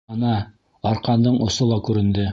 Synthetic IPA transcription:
ɑnɑ | ɑɾqɑnd̪ɤɴŏsolˠɑkʉɾɘ̆nd̪ɘ

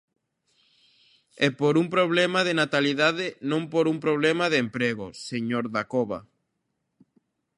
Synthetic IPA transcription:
ɛpoɾumpɾoβ̞lɛmaðenat̪aliðaðɪnõmpoɾumpɾoβ̞lɛmaðempɾeɣo̰seɲoɾðakoβa̰

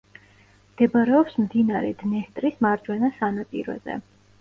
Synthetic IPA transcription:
md̪̥ɛbaɾɛɔpsmd̪inaɾɛ̰d̪̥nɛst̪ʼɾismaɾd͡ʒwɛnasanapʼḭɾɔ̰zɛ̰

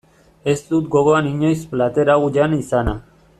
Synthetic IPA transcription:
e̞st̪ut̪ɡo̞ɣo̞aniɲo̞jsplat̪e̞ɾaɣuʎanisana

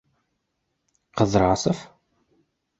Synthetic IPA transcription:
qəðˤɾˤʕasˤəf

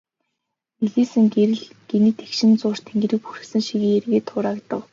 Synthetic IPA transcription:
eɣiːsɘ̆ŋɡeɾɘ̆ɮɡ̥eniːt̪ʰe̥kʃɪ̆nt͡sʊːr̥t̪ʰeŋɡeɾɘ̆k̚purɘ̆xsɘ̆ŋʃiɣiːŋerɣeːt̪ʰʊːɾaːkt̪ə̰̆w

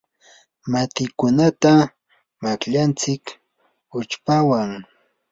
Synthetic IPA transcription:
mat̪ɪkʊnat̪a | makʎant͡sɪk | ʊt͡ʃpawaŋ

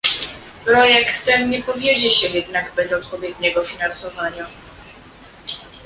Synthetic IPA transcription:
pɾɔjɛkt̪ːɛnɲɛpɔvʲjed͡ʑɛɕɛjɛd̪naɡbɛzɔt̪̚pɔvʲjɛd̪ɲɛɡɔfʲinansɔvaɲa

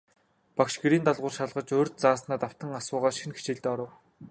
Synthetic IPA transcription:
pakʃɡeɾiːnt̪aɮʁʊ̆ːrʃaɮʁə̆t͡ɕoːrʲt̪̚t͡saːsnaːt̪aw̥t̪ə̆ŋasʊːʁaːʃinxe̥t͡ɕeːɮt̪eːɔɾə̆w

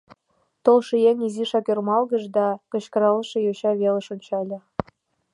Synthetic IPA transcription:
t̪olʃijenʲiziʃɑkørmɑlˠɣə̆ʃd̪ɑkɤ̆ɕkɤ̆ɾɑlɤʃĕjoɕɑβelə̆ʃonʲt͡ɕɑlʲɤ̆

